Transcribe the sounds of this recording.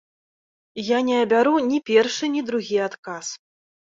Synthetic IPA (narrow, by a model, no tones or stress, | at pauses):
janʲɛɐbʲaɾunʲipʲɛrʂɨnʲid̪ɾuɣʲiat̪kas